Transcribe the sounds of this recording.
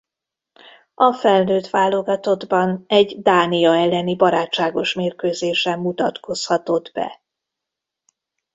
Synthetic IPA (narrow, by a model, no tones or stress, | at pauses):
ɒfɛlnøːt̪ʋaːlo̞ɡɒt̪o̞d̪bɒnɛɟd̪aːnijɒɛlːɛnibɒɾaːt͡ʃt͡ʃːaːɡo̞ʃmeːrkøːzeːʃɛmːut̪ɒt̪ko̞shɒt̪o̞d̪bɛ̰